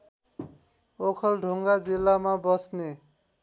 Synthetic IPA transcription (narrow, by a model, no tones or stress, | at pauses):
okʰʌlɖʱuŋɡad͡zilːamabʌsne